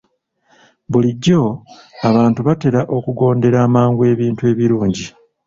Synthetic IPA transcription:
βuliɟːo̞aβaːntuβate̞ɾaʔo̞kuɡo̞ːnde̞ɾaːmaːŋɡue̞ːβiːntue̞ːβiɾuːɲɟi

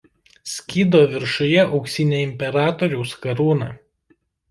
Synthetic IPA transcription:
sʲkʲiːd̪oːʋʲɪɾʃʊjɛʔɒʊksʲinʲeːɪmʲpʲɛɾɑːt̪oːɾʲɛʊskɐɾuːnɑ̰ː

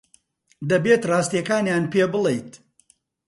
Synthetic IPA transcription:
d̪ɐbeːt̪raːst̪jɛkaːnjaːnpeːbɨlˠejt̪

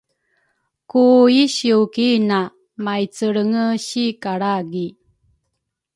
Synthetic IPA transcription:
kuiɕiukina | majt͡səɭəŋəɕikaɽaɡi

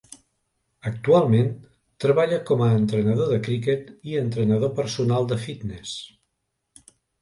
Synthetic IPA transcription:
ək̚t̪ualˠmen | t̪ɾəβaʎəkɔməːnt̪ɾənəð̞oðəkɾik̬et̪iənt̪ɾənəð̞opəɾsunalˠd̪əfit̪nes

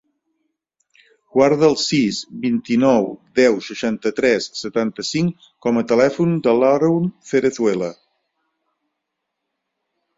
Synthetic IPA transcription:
ɡwaɾðəːlˠsizbint̪inɔwd̪ɛwʃəʃant̪ət̪ɾɛsːət̪ant̪əsiŋ | kɔmət̪əlɛfund̪əlaɾunfeɾəθwelə

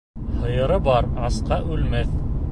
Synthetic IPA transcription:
hɤ̆jɤ̆ɾɤbɑɾɑsqɑʔʉlmæθ

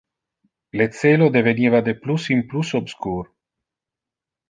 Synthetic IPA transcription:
let̪seːlod̪evenivad̪eplusimplusobskuːɾ

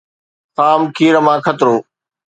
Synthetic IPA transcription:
xaːmkʰiːɾəmãːkʰət̪ɾoː

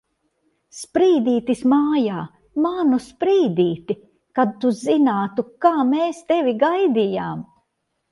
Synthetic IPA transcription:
spɾiːd̪iːt̪ismaːjaː | manuspɾiːd̪iːt̪i | kad̪̚t̪uzinaːt̪ukaːmeːst̪evʲiɡajd̪ijaːm

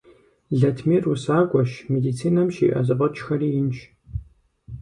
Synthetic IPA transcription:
ɮɐtʰmirusaːɡʷʼɔʃmediːt͡sʰiːnɐmʃḭːʔɐ̰zɨqɐt͡ʃʰʼxɐriːjɪnt͡ʃʰ

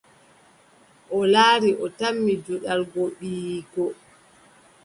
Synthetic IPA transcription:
ʔɔlaːɾiʔɔtamːid͡ʒuɗalɡoɓiɡɔ

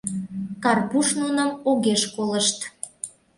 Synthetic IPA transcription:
kɑrpuʃnunəmoɣeʃkoləʃt̪

